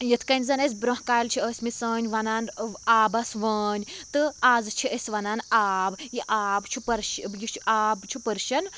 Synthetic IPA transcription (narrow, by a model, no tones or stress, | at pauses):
jit̪ʰkɐnʲzɐnɐs̬ʲbɾõɦkaːlt͡ʃʰiəːsʲmisəːnʲʋɐnaːnaːbɐsʋəːnʲt̪ɨaːzt͡ʃʰiʔesʲʋɐnaːnaːbjiʔaːbt͡ʃʰupɐɾʃjit͡ʃʰʔaːbt͡ʃʰupəɾʃɐn